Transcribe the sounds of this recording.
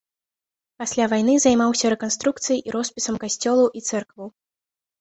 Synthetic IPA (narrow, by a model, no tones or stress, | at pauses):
pasʲlʲavajnɨzajmawsʲɐɾɛkanst̪ɾuk̚t̪sɨjʔiɾɔspʲisɐmkasʲt͡sʲɔlˠuʔit̪sɛrkvɐw